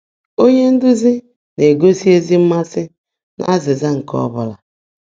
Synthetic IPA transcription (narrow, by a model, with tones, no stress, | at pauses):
o˦ɲe˦n̩˦dʊ˦zɪ˦ | ne˨ɡo˦si˦e˦zi˦m̩˦ma˦sɪ˦ | na̰˦zɪ˨za˦ŋ̩˨kɔ̰˦bʊ˦la˨